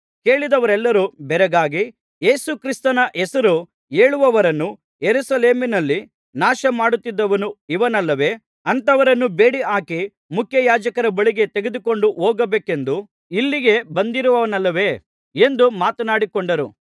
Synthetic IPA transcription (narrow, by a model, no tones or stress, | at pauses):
ke̞ːɭid̪ɐʋɐɾɛlːɐɾubɛɾɛɡaːɡi | jeːsukɾist̪ɐnɐʔɛsɐɾu | eːɭuʋɐʋɐɾɐnːu | jeɾusɐle̞ːminɐlːi | naːʃɐmaːɽut̪ːid̪ːɐʋɐnuiʋɐnɐlːɐʋe̞ː | ɐnt̪ɐʋɐɾɐnːube̞ːɽiaːki | mukʰjɐjaːd͡ʒɐkɐɾɐbɐɭiɡe̞t̪e̞ɡe̞d̪uko̞ɳɖuʔoːɡɐbeːke̞nd̪u | ilːiɡe̞bɐnd̪iɾuʋɐʋɐnɐlːɐʋe̞ː | e̞nd̪umaːt̪ɐnaːɽikoɳɖɐɾu